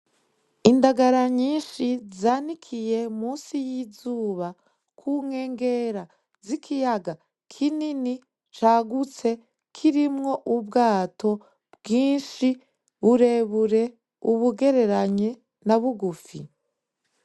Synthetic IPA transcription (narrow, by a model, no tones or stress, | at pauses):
indaɡaɾaɲiːnʃizaːnikʰije̞muːsijizuːβa | kʰuŋhe̞ːŋɡe̞ɾa | zikʰijaɡa | kʰinini | t͡ʃaɡut͡se̞ | kʰiɾimŋo̞ʔubɡaːtʰo̞ | bɡiːnʃi | βuɾe̞βuɾe̞ | uβuɡe̞ɾe̞ɾaɲe | naβuɡufi